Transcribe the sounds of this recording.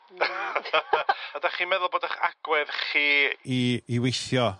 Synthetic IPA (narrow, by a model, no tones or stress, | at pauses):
ədaχiːmɛðʊlˠboːdaχa̰ɡ̥wɛðχiːiiwejθjɔ